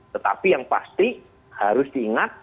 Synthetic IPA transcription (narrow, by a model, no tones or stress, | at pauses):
t̪ət̪a̰pijaŋpa̰st̪i | haɾʊsdiːŋat̪̚